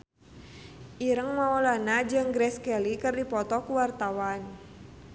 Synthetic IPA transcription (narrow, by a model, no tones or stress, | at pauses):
ʔiɾəŋmaɔlanad͡ʒəŋɡɾɛskɛlikərdipɔt̪ɔkuwart̪awan